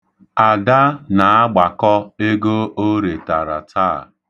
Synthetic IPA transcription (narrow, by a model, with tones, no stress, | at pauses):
a˨da˦na˨a˦ɡ͡ba˨kɔ˦e˦ɡo˦o˦ɾe˨ta˨ɾa̰˨tʰaː˦˨